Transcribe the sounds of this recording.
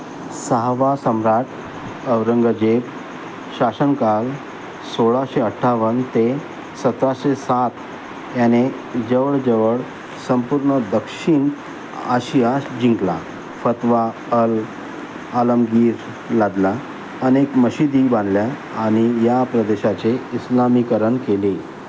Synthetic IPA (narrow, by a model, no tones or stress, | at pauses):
saɦʋasəmɾaʈʰ | əʋɾəŋɡəd͡ʑep | ɕasənkal | soɭaɕeəʈʰːaʋənt̪e | sət̪ɾaɕesat̪ | jane | d͡ʑəʋəɭd͡ʑəʋəɭ | səmpuɾɳəd̪əkʂiɳ | əɕiasd͡ʑĩŋkla̰ | fət̪ʋa | əl | ələmɡiːɾ | lad̪la | ənekməɕid̪ibãnd̪ljaː | ɽ̃ijapɾəd̪eɕat͡seislamikəɾəɳkele